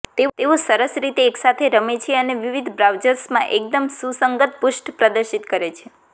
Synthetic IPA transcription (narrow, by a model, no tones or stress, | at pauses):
t̪et̪eosəɾəsɾit̪eːksat̪ʰeɾəmet͡ʃʰeəneʋiʋid̪ʱbɾaʋd͡ʒəɾsmãʔek̚d̪əmsusəŋɡət̪̚puʃʈpɾəd̪əɾʃit̪kəɾet͡ʃʰe